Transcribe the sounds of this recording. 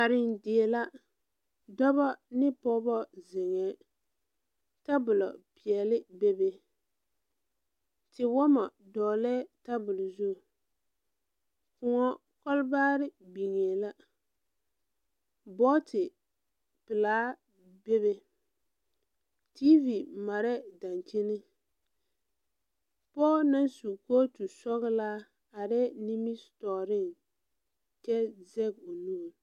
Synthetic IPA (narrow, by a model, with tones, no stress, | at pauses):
a˨ɾɪ˨ndɪ˨ɛ˨la˦ | dɔ˦βɔ˦nɪ˦pɔ˦bɔ˦zɪ˨ŋɛ˨˦ | ta˦bʊ˨lɔ̰˨pɪ˨ɛ˨lɪ˦be˦be˦ | tɪ˨wɔ˦mɔ˨ | dɔː˨lɛː˦ta˦bʊ˨lzu˦˨ | kʊ˨ŋɔ˦ | kɔ˦lbaː˦ɾɪ˦bi˨ŋe˨la˦ | bɔ˦tɪ˨ | pɪ˨laː˨˦ | be˦be˦ | ti˦vi˨ma˨ɾɛ˦da˨nt͡ʃi˦nɪ˦ | pɔː˦na˦nsu˨koː˦tu˨sɔ˦ɣɪ˦la˦ | a˨ɾɛ˦ni˦mi˦stɔː˨ɾɪ˦˨ŋ | t͡ʃɛ˦zɛ˦ɡo˨nu˦˨